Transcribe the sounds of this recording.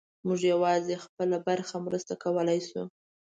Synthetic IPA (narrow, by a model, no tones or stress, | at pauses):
muʒjawɑzexpəlabaɾxamɾəst̪akawəlajsu